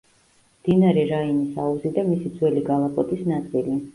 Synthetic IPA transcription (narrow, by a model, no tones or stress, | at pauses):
md̪̥inaɾɛɾainisauzid̪amisid̪zwɛliɡalˠapʼɔt̪ʼisnat̪sʼili